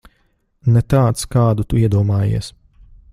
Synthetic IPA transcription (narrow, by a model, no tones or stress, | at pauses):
nɛt̪aːt̪skaːd̪ut̪uiɛd̪uɔmaːjḭɛs